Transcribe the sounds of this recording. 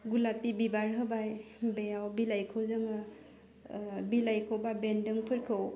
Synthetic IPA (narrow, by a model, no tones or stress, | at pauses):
ɡulapːibibaɾɦɯbaj | bejawbilajkʰɯwzɯŋa | bilajkʰɯwbabendɯŋpʰɯɾkʰɯw